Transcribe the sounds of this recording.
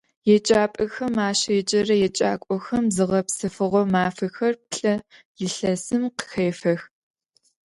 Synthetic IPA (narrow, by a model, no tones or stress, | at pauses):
jɛt͡ʃʼaːpʼɐxɐmaːɕɐjɛt͡ʃʼɐrɐjɛt͡ʃʼa̰ːkʷʼɔxɐmzɨʁɐpsɨfɨʁʷɔmaːfɐxɐrp̚ɬʼɐ | jɪɬɐsɨmqə̥xeːfɐx